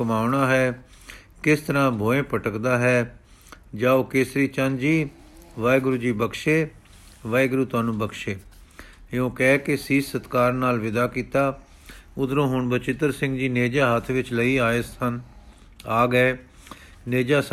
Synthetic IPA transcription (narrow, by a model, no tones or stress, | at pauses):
kəmaːʊɳaːɦɛː | kɪst̪əɾãːbʱoːẽːpəʈəkd̪aːɦɛː | d͡ʒaːoːkeːsɾiːt͡ʃənd͡ʒiː | ʋaːɡɾuːd͡ʒiːbəkʃeː | ʋaːjɡɾuːt̪ʊaːnũːbəkʃeː | õːkɛːkɪsiːsət̪kaːɾnaːlʋɪd̪aːkiːt̪aː | ʊd̪ɾõːɦʊɳbət͡ʃɪt̪əɾsɪ̃ŋɡd͡ʒiːneːd͡ʒaːɦət̪ʰʋɪt͡ʃləiːaːsən | aːɡəeː | neːd͡ʒaːs